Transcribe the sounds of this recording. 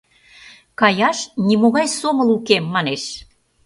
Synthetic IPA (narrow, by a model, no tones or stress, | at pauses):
kɑjɑʃnimoɣɑjsoməlukemːɑneʃ